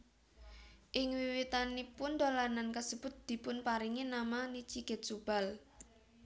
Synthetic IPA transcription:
ʔɪŋwiwit̪anipʊnd̪olanankəsəb̥ʊ̤t̪̚d̪̥i̤pʊnpaɾiŋinamanit͡ʃiɡ̥ɛ̤t̪̚sub̥a̤l

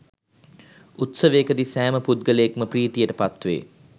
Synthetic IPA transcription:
ut̪səʋekəd̪isæːməpud̪̚ɡələjekməpriːt̪ijəʈəpat̪ʋḛː

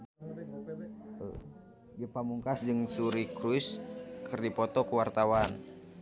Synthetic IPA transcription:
ɡipamuŋkasd͡ʒɨŋsuɾikɾuiskʰɨrdipɔt̪ɔkuwart̪awan

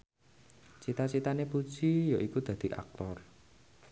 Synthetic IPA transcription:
t͡ʃit̪at͡ʃit̪anepu̥d͡ʒ̥ijoʔikud̪̥a̤d̪̥i̤ʔa̰k̚t̪ɔr

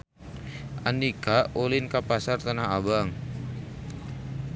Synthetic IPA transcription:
ʔanikaolinkapasart̪anaɦabaŋ

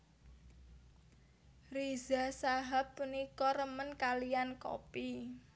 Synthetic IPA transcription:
rizasaɦapːunikɔɾəmənkalijanko̰pi

